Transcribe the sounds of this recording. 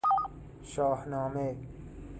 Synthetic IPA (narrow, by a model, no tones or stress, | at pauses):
ʃaːhnaːmeː